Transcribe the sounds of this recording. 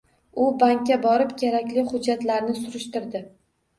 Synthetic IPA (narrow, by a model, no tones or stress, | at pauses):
ʊbaŋkʲːabɒɾɪpkʲʰeɾakʲlɪχʊd͡ʒːat̪laɾnɪsʊɾɪʃt̪ɪɾd̪ɪ